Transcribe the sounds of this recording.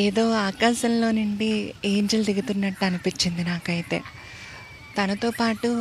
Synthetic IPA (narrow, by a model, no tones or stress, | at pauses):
eːðo̞ːaːkaːsɐmlo̞ːniɳɖieːɲd͡ʒɐlt̪iɡut̪unːɐʈːɐnupit͡ʃːind̪inaːkɐjit̪e̞̰ | t̪ɐnɐt̪o̞ːpaːʈːu